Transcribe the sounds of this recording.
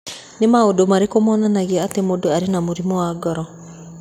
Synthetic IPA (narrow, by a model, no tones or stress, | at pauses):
nemaodomaɾekomɔːnanaɣeaatemodoaɾenamoɾimɔwaɡɔɾɔ